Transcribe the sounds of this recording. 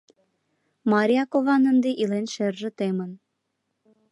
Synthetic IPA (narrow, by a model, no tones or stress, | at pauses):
mɑɾʲijɑkovɑnə̆nd̪eʔilenʃerʒə̆t̪emə̆n